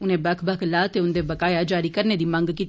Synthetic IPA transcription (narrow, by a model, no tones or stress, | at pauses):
ʊnɦẽbɐkʰbɐkʰlaːt̪eʊnd̪ebɐkaːjad͡ʒaːɾikɐɾned̪imãːŋɡkit̪